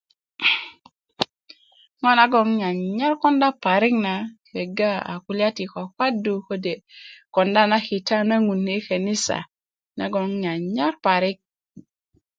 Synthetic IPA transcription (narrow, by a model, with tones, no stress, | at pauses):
ŋɔ˦na˨ɡɔ˨ŋɲa˨ɲa˦ɾkɔ˦nda˦pa˨ɾi˦k̚na˨ke˨ɡa˦a̰˨ku˦la˦ti˨ko˨kwa˦du˨ko˦de˨kɔ˨nda˦na˦ki˨ta˦na˦ŋu˨nːe˦ke˨ni˦sa̰˨ | na̰˨˦ɡo˨ŋɲa˨ɲa˦ɾpa˨ɾi˦k̚